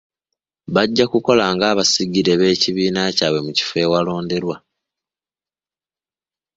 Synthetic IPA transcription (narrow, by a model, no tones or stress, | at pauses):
βaɟːakuko̞laŋɡaːβasiɡiɾe̞βe̞ːciβiːnacaːβwe̞muci̥fe̞ːwalo̞ːnde̞ɾwa